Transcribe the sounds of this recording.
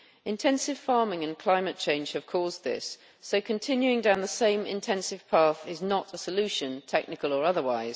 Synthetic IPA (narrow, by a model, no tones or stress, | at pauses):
ɪ̃ntʰɛ̃nsɪv̥fɑɹmɪ̃ŋə̃nkʰl̥ãɪ̃mɨt̚t͡ʃʰẽɪ̃nʒ̥hɨv̥kʰɔːzðɪ̰sː | oʊkʰə̃ntʰɪ̃njʉɪ̃ŋdãʊ̃nðəsẽɪ̃mɪ̰̃ntʰɛ̃nsɪv̥pʰɑˑθɪznəɾəsəlʉˑʃə̃ntʰɛk̚nɪkəlˠə˞ʌðəwaɪz̥